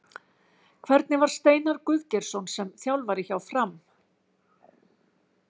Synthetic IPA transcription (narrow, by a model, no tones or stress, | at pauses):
kʰvɛɾt̪̚nɪvaɾ̥st̪eːjnaɾkʏðcɛɾ̥sɔwnsɛmθjawlvaɾɪçawfɾam